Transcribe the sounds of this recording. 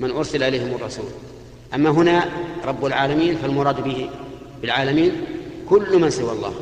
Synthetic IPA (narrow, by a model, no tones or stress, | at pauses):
mɪnʔʊɾsalʔɪlejːhɪmʊrˤːɑsṵːl | ʔamːaɦʊnaɾˤɑbːalʕaːlamiːnfalmʊɾˤɑːd̪bɪhɪ | bɪlʕaːlamiːnkʊlːmansɪwalˤːɑ̰ːh